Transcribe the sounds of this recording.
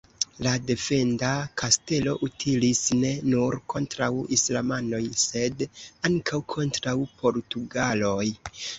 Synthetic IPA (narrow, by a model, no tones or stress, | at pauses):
lade̞fe̞ndakʰaste̞lo̞ʔutʰilisne̞nuɾkʰo̞ntɾawislamano̞jse̞daŋkʰawkʰo̞ntɾawpʰo̞ɾtuɡalo̞j